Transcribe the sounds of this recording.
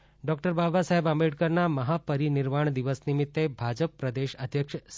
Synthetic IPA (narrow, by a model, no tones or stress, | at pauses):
ɖɔk̚ʈəɾbabasaɦebambeɖ̚kəɾnaməɦapəɾinɪɾmaɳ̃d̪iʋəsnimit̪ːebʱad͡ʒəpːɾəd̪eʃəd̪ʱjəkʃs